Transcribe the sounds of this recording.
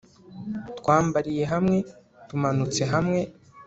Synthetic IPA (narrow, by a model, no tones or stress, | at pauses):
twaːmbaɾije̞ɦamŋe̞ | tumanut͡se̞ɦamŋe̞